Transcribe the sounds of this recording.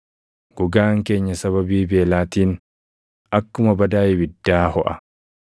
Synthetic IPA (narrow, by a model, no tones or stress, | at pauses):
ɡ̥ʊɡaːŋke̞ːɲːɐsɐβɐbiːbe̞ːlaːt̪iːn | ʔɐkːʊmɐbɐd̪aːjɪbɪd̪ːaːhɔʔɐ